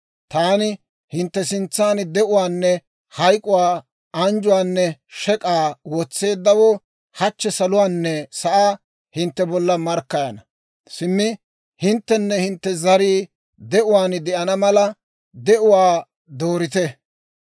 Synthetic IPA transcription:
t̪aːnɪ | hɪnt̪ːɛsɪnt͡sːaːnd̪ɛʔʊwaːnːɛ | hɐjkʼːʊwaː | ɐnd͡ʒʊwaːnːɛʃɛkʼaːwɔt͡sːe̞ːd̪ːɐwɔ | hɐt͡ʃːɛsɐlʊwaːnːɛsɐʔaː | hɪnt̪ːɛbɔlːɐmɐɾkːɐjɐnɐ | sɪmːɪ | hɪnt̪ːɛnːɛhɪnt̪ːɛzɐɾiː | d̪ɛʔʊwaːnd̪ɛʔɐnɐmɐlɐ | d̪ɛʔʊwaː | d̪oːɾɪt̪ɛ

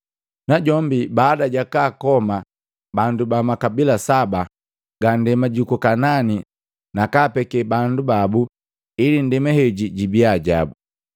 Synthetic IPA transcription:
naɟɔmbibaːdaɟakaːkɔma | bandubamakabilasaba | ɡ̥andɛmaɟukɔkanani | nakaːpɛkɛbandubabu | ilin̩dɛmɛhɛɟiɟibiaɟa̰bu

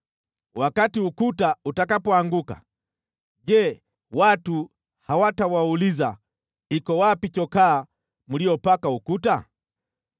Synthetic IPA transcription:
wakatiukutautakapɔaŋɡuka̰ | ʄɛ | watu | hawatawauliza | ikɔwapit͡ʃɔkaː | mulijɔpakaukuta

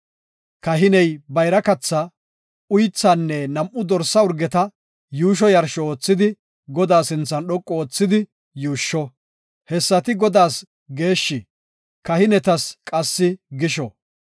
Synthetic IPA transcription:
kɐɦɪnɛjbɐjɾɐkɐt͡sːɐ | ʊjt͡sːaːnːɛnɐmʔʊd̪ɔɾsɐʊɾɡɛt̪ɐ | juːʃ̬ɔjɐɾʃɔoːt͡sːɪd̪ɪ | ɡɔd̪aːsɪnt͡sːɐnɗɔkʼːɔoːt͡sːɪd̪ɪ | juːʃːɔ | hɛsːɐt̪ɪɡɔd̪aːs | ɡeːʃːɪ | kɐhɪnɛt̪ɐskʼɐsːɪɡɪʃɔ

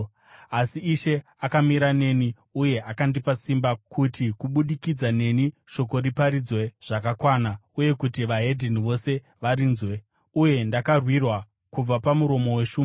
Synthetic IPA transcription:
asiːʃe̞ | akamiɾane̞ni | uje̞ʔakandipasimbakʰutikuɓuɗikid͡zane̞niʃo̞ko̞ɾipaɾid͡zwe̞ʐ̥akakwanauje̞kutiʋaɦe̞dʱiniʋo̞se̞ | ʋaɾiːnzwe̞ | uje̞ndakarwirwa | kub͡vapamuɾo̞mo̞we̞ʃuːme

